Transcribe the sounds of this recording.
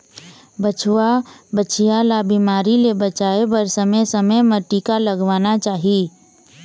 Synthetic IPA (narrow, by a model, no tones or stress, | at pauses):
bət͡ʃʰwabət͡ʃʰɪjalabiːmaːɾilebət͡ʃaːebəɾsɐməjsɐməjməʈːiːkalɐɡʋaːnat͡ʃaːɦiiː